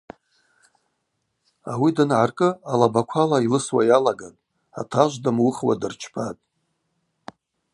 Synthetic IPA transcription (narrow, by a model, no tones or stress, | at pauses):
awidanʕarkʼɨalabakʷʰalailɨswajalaɡatʼ | a̰tʰaʒʷdamwʊχwa̰dɨrt͡ʃʰpʰatʼ